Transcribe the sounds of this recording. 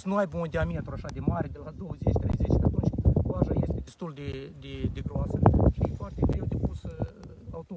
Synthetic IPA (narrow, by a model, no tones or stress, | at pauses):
snuajbund̪ʲeamet̪ɾuaʃad̪emaɾʲed̪elad̪owəzet͡ʃʲt̪ɾejzet͡ʃʲkat̪unt͡ʃʲoaʒajest̪ʲed̪est̪uld̪ed̪ed̪eɡɾoasəʃijefoart̪eɡɾewd̪epus | awt̪o